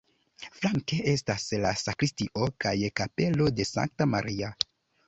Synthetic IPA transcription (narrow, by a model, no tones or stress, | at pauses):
flaŋke̞ʔe̞staslasakɾistiʔo̞kajkape̞lo̞de̞sa̰ŋk̚tama̰ɾia